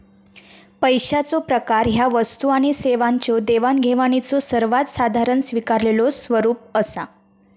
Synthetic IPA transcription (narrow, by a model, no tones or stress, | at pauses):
pəjɕat͡sopɾəkaɾɦjaʋəst̪uaɽ̃iseʋaɲt͡ɕod̪eʋanɡʱeʋaɽ̃it͡sosəɾʋat̪sad̪ʱaɾənsʋikaɾlelosʋəɾuːp̚əsa̰